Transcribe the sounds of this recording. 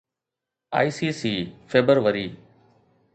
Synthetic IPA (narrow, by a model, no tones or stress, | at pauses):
a̰ːiːsiːsiːfeːbəɾʋəɾiː